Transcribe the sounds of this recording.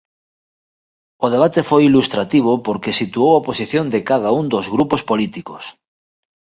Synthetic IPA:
oð̞eβ̞at̪efojilust̪ɾat̪iβ̞opoɾkesit̪uowaposiθjond̪ekaðaund̪ozɣɾupospolit̪ikos

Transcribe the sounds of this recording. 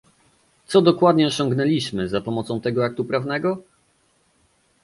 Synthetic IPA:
t̪sɔd̪ɔkwad̪ɲɛɔɕɔ̃ŋɡnɛlʲiɕmɘzapɔmɔt̪sɔ̃w̃t̪ɛɡɔak̚t̪upɾavnɛɡɔ

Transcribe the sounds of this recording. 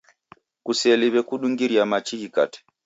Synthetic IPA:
kusɛliβɛkuɗuŋɡiɾiamat͡ʃikika̰tɛ̥

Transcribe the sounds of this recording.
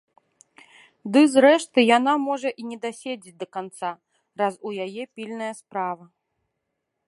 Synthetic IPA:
d̪ɨzɾɛʂt̪ɨjanamɔʐɐʔinʲɛd̪asʲed͡zʲit͡sʲd̪ɐkant̪sa | ɾazujajɛpʲilʲnɐjɐspɾavɐ

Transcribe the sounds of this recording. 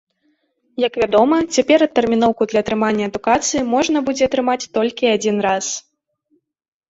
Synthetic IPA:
jɐkvʲad̪ɔmɐt͡sʲapʲɛɾɐt̪ːɛrmʲinɔwkud̪lʲɐːt̪ɾɨmanʲːɐɐd̪ukat̪sɨjimɔʐnɐbud͡zʲɛɐt̪ɾɨmat͡sʲt̪ɔlʲkʲiad͡zʲinɾas

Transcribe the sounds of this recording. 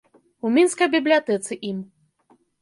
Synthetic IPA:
umʲinskɐjbʲiblʲiat̪ɛt̪sɨʔim

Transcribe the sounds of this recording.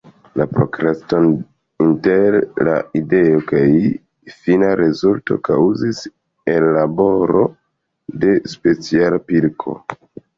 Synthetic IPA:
lapɾo̞kɾeston | inteɾla̰ide̞o̞kaj | finaɾe̞zulto̞̰kawzis | e̞lːabo̞ɾo̞̰ | de̞spe̞t͡sialpilkʰo̞̰

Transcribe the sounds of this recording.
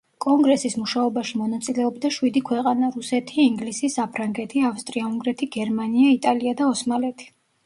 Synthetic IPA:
kʼɔŋɡɾɛsismuʃaɔbaʃimɔnat̪sʼilɛɔbd̪aʃwid̪ikʰwɛqʼanaɾusɛt̪ʰiːŋɡlisisapʰɾaŋɡɛt̪ʰiafst̪ʼɾiauŋɡɾɛt̪ʰiɡɛɾmaniait̪ʼaliad̪aɔsmalɛt̪ʰi̥

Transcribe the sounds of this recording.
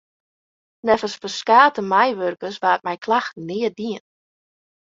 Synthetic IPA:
nɛfəspəskaːtəmɛjʋørkəsʋaːt̚mɛjkʰlaxtnɪədiən

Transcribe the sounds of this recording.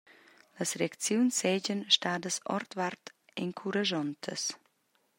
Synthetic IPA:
ləsɾeakt͡sjunsɛɟənʃtaːd̪əsɔ̰ɾt̪vaɾt̪eŋkʰuɾaʒɔnt̪ʰə̰s

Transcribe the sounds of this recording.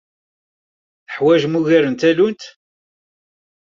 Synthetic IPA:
θəħwæʒmuʝæɾənt̪ælunt̪

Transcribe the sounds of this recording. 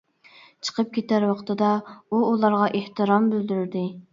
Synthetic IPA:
t͡ʃʰə̥qʰəp̚kʲʰet̪æɾwɑqʰt̪ʰɨd̪ɑuulˠɑɾʁɑʔeht̪ɨɾɑmbyld̪yɾɾd̪ɪ

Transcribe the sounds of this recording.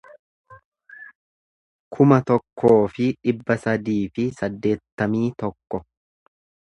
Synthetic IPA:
kʰʊmɐt̪ɔkʰːo̞ːfɪᶑɪbːɐsɐd̪iːfɪsɐd̪ːe̞ːt̪ːɐmiːt̪ɔkːɔ

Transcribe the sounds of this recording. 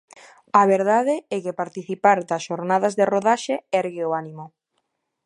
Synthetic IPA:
aβeɾðaðeɛkepaɾt̪iθipaɾd̪ɐsʃoɾnaðazðeroðaʃeɛɾɣɪoanimo

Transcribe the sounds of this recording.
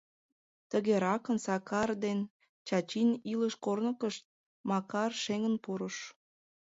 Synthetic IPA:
t̪əɣeɾɑkənsɑkʰɑrd̪en | t͡ɕɑt͡ɕiniləʃkornəkəʃt̪̚ | mɑkɑrʃeŋənpuɾəʃ

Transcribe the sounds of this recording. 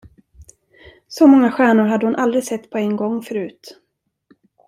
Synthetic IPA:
sɔmɔŋːaɧæːɳʊɾɦad̪ːəhʊnʔald̪ɾɪsɛt̪ːpʰɔɛnɡɔŋːfœɾʉ̟ːt̪

